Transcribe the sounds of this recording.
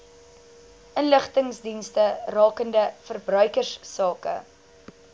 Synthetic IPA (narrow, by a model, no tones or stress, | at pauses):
ʔənləχtəŋsdinstərɑːkəndəfərbrœɥkərssɑːkə̰